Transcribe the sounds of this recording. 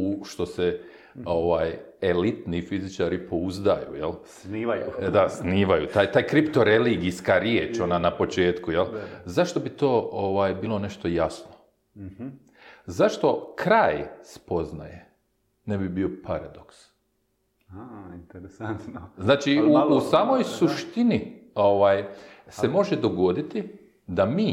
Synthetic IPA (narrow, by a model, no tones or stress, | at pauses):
uʃt̪o̞se | o̞ʋaːjelit̪nifizit͡ʃaːɾipo̞uzd̪ajṵjelsniːʋajud̪asniːʋajut̪aːjt̪aːjkɾipt̪o̞ɾe̞liɡiskaɾjeːt͡ʃo̞nanapo̞t͡ʃe̞ːt̪kujelzaʃt̪o̞bit̪o̞ːʔoʋaːjbiːlˠo̞ne̞ʃt̪o̞jasno | zaʃt̪o̞kɾaːjspo̞zna̰je | nebibio̞paɾad̪o̞ks | int̪ɾant̪nznaːt͡ʃiuusaːmo̞jsuʃt̪inio̞ʋaːjse̞mo̞ʒed̪o̞ɡo̞d̪it̪i | d̪amiː